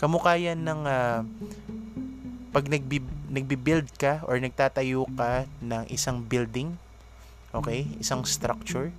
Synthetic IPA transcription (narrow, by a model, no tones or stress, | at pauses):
kɐmʊkaːjɐnɐŋa | pɐɡ̚nɐɡ̚binɐɡ̚bibɪld̪̚kɐʔoɹnɐɡ̚t̪aːt̪ɐjokɐnɐŋʔɪ̰saŋbɪld̪ɪŋ | ʔo̞ːkɛjʔɪ̰saŋst̪ɾak̚t͡ʃʊɹ